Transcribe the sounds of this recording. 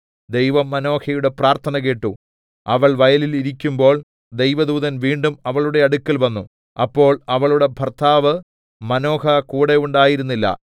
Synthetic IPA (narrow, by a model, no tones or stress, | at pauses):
d̪e̞jʋɐmːɐno̞ːhɐjuɽe̞praːrt̪ʰɐnɐkeːʈːu | ɐʋɐɭʋɐjɐliliɾikʲːumbo̞ːɭ | d̪e̞jʋɐd̪uːðɐnʋiːɳɖumɐʋɐɭuɽe̞ɐɽukʲːɐlʋɐnːu | ɐpːo̞ːɭɐʋɐɭuɽe̞bʱɐrt̪ʰaːʋɨ | mɐno̞ːhɐkuːɽe̞uɳɖaːjiɾunːilːɐ̰